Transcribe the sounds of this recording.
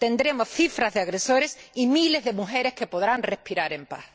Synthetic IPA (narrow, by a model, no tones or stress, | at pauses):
t̪ẽnd̪ɾemosθifɾazðeaɣɾesoɾesimilezðemuxeɾeskepoðɾaŋrespiɾaɾẽmpa̰θ